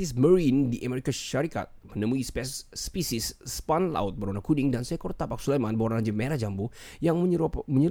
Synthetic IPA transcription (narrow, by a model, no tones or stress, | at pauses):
isməɾindiʔameɾikaʃaɾika̰t̪̚mənəmuispɛsːpisisːpanla̰ʊt̪̚bəɾonakudiŋdansɛkɔrt̪apak̚sulejmanboɾaɲd͡ʒəmeɾad͡ʒambujaŋəməɲə